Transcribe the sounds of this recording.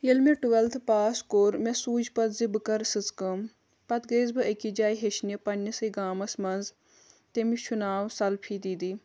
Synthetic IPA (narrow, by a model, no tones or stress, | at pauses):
jilmiʈuʋɐlt̪ʰpaːskoːɾmesuːd͡ʒpɐt̪zibɨkɐɾsɨt͡skəm | pɐt̪ɡeːzbɨɐkid͡ʒaːjɦeʃnjɐpɐnʲːɐsɨɡaːmɐsmɐnz | t̪emiʃʰunaːwsɐlpʰid̪iːd̪iː